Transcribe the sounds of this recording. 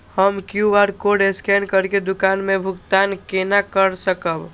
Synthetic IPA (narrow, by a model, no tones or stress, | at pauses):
həmkjuaɾkoɖeskɛnkəɾked̪ʊkaːnmẽbʱʊkt̪ankenakəɾsəkəb